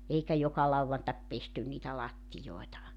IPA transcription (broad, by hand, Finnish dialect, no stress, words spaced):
eikæ jokɑ lɑuwɑntɑk pestyn niːtæ lɑtːijoi̞tɑ